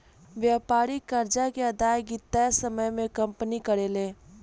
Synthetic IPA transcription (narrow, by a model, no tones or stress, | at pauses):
ʋjaːpaːɾikəɾd͡ʒakeɐd̪aːjɡit̪ɛsəməjmẽkə̃mpənikəɾeːleː